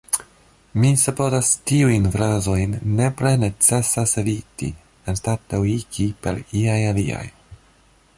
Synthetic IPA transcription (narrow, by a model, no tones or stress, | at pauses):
misepozastiujnfɾazo̞jnːe̞pɾe̞ne̞t͡se̞sasevitḭ | enstateikipe̞̰ɾiajalia̰j